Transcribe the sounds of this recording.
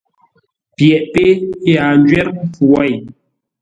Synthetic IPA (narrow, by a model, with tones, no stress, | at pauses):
pjɛ˨ʔpe˦ja˨n˦d͡ʒɥɛ˦ɾm̩˦pu˨a˦˨j